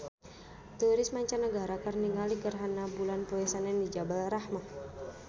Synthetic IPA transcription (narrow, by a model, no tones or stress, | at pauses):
t̪uɾɪsmaɲt͡ʃanəɡaɾakərniŋalikərɦanabulanpɔɛsanɛndid͡ʒabalɾahma